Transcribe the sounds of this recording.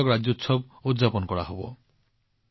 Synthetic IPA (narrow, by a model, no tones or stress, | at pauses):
ɔkɾad͡ʒot̪sɔb | ud̪d͡ʒapɔnɔkɔɽa̰ɦobɔ̰